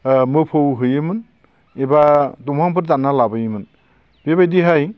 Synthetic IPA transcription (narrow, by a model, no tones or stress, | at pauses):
mɯpʰowɦɯjɯmɯn | ebadumʰaŋpʰɯɾtanalabɯjɯmɯn | b̥ebajdiɦaj